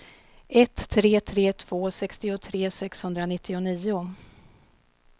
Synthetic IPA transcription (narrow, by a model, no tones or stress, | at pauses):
ɛt̪ʰːɾeːt̪ʰɾeːt̪ʰv̥oːsɛkst̪ɪʊt̪ʰɾeːsɛkshɵnd̪ɾanɪt̪ʰːɪʊniːʊ